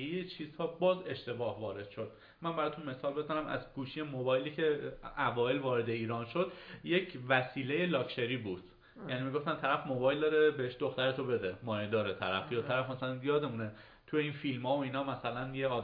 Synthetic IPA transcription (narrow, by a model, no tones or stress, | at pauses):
ejet͡ʃʰiːz̥hɒːbɒːze̞ʃt̪e̞bɒːhvɒːɾe̞d̪̥ʃo̞d̪̥̚ | mænbæɾɒːt̪ʰunme̞sɒːlbe̞zænæmʔæ̰zɡuːʃije̞mo̞bɒːjliːcʰe̞ævɒːelvɒːɾe̞d̪e̞iːɾɒːnʃo̞d̪jecʰvæsiːleje̞lɒːcʃe̞ɾiːbuːd̪̥ | jæniːmiɡo̞ft̪ænt̪ʰæɾæfmo̞bɒːjld̪ɒːɾebeheʃd̪o̞xt̪æɾet̪ʰobe̞d̪emɒːjed̪ɒːɾet̪ʰæɾæfjɒːt̪ʰæɾæfmæsælænjɒːd̪e̞mune | t̪ʰujeiːnfiːlmhɒːvoiːnɒːmæsælænjeɒːd̪